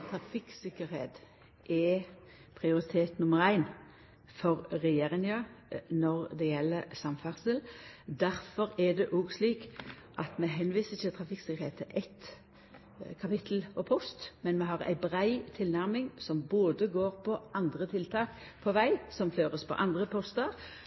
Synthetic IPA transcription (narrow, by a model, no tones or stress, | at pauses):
t̪ʰɾɑfɪksɪkːəɾheːt̪ | ʔɛ | pʰʁɪʊɾɪt̪ʰeːt̪nʊməʁæɪn | fɔʁːɛjeːɾɪŋɑnɔʁd̪ɛjɛlːəsɑmfæʁsəld̪æɾfɔɾɛd̪ɛʔuːɡsliːk | ʔɑt̪mɛɦɛnʋiːsət̪ʰɪlt̪ʰɾɑfɪkskəheːt̪əʔɛt̪ | kʰɑpɪt̪ʰl̩ɔpʰɔst̪mɛnmɛɦɑʁæ̰ɪbɾæɪt̪ʰɪlnæʁmɪŋsɔmboːd̪əɡoːɾpʰɔɑnd̪ʁət̪ʰɪlt̪ʰɑːk | pʰɔʋæɪsɔmføːʁəspʰɔ̰ʔɑnd̪ʁəpʰɔst̪əɾ